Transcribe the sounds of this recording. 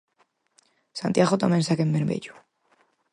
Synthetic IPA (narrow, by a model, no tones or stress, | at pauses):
sant̪jaɣot̪amẽnsakemːbeɾmḛʎu̥